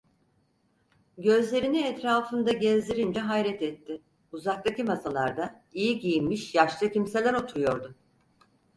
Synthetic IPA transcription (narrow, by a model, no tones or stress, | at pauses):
ɟø̞zlʲe̞ɾiniɛt̪ɾaːfɯnd̪aɟɛzd̪ʲiɾind͡ʒɛɦajɾɛt̪ɛt̪ʰːɪ | uzak̚t̪ˠacimasalˠaɾd̪a | ijiɟijimmiʃjaʃlˠɯcimse̞lʲæɾo̞t̪ʰuɾujo̞ɾd̪ʊ